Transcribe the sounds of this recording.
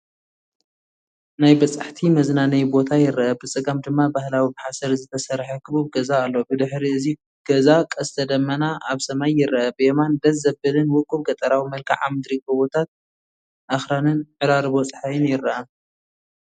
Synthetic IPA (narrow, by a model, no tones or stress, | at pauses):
najbɐt͡sʼaħt̪ʰimɐznanɐjbo̞t̪ʰajɪɾɐʔɐbɨt͡sʼɨɡɐmd̪ɨmːabahlawimħasɐɾzɨt̪ʰɐsɐɾħɐkʰɨbubɡɐzaːlːobɨd̪ɨħɾiɨzi | ɡ̥ɐzakʼɐst̪ʰɐd̪ɐmːɐnaʔaβsɐmajːɪɾʔɐʔɐbɨʔemand̪ɐɐbɨlɨnwʊkʼːuβɡɐt̪ʼɐɾawimɐlkʰa̰ʕa̰mɨd̪ɾikʼoβo̞t̪ʰat̪̚ | ʔaxɾanɨnʕɨɾaɾɨβo̞t͡sʼɨ̥ħajɨnjɪɾːɐʔɐ